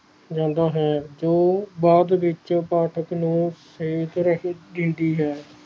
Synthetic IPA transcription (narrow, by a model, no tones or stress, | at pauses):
d͡ʒãːnd̪aːɦɛːd͡ʒoːbaːd̪ʋɪt͡ʃpaːʈʰəknũːseːt̪ɾəɦeːd̪ɪ̃ːnd̪iːɦɛː